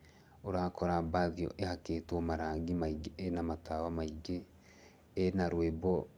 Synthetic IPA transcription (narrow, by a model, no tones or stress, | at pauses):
oɾakoɾabaðio̰ʔehaketomaɾaːŋɡimaiɡeenamatawamaiɡeː | naɾwebo